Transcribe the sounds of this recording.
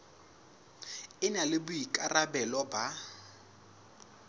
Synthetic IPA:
ɪnalɪbʊikʼarabɛlɔba

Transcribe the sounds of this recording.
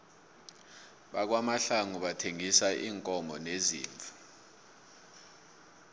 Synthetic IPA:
ɓak̬wamaɬaŋuɓatʰeŋisaʔiːŋkʼɔmbʱɔnezḭːɱvʱa

